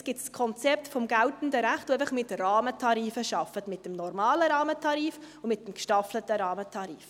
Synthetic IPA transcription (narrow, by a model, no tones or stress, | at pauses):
sɡ̥ɪtskʰɔnt͡sɛp̚tfɔmɡæltn̩dəɾæχtoɛɪfəχmɪtɾɑːmətʰɑɾiːfəʃɑfətmɪt̚d̥əmnɔɾmɑːləɾɑːmətʰɑɾiːfʊmɪt̚dɛmkʃtɑflətəɾɑːmətʰɑɾḭːf